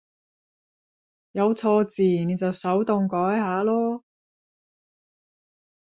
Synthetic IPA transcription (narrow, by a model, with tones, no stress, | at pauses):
jɐ˨˧wt͡sʰɔː˧t͡siː˨˩ne˨˧jt͡sɐ˨wsɐ˨˥wt̪ʊ˨ŋkɔː˨˥jɦaː˨˧˥lɔː˥